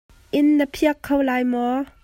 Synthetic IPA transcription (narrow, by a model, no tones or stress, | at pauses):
ʔɪnːəpʰiəkʰːowlaːjmɔ